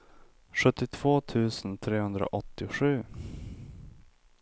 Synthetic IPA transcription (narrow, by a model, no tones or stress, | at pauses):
ʂɵt̪ːɪt̪ʰv̥oːt̪ʰʉ̟ːsənt̪ʰɾeːhɵnd̪ɾa̰ʔɔt̪ːɪɧʉ̟ː